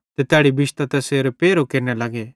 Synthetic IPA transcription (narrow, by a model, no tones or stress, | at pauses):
t̪et̪eaːɽibɪʃt̪at̪ɛseːɾpeːɾokeːɾnɛlɐɡe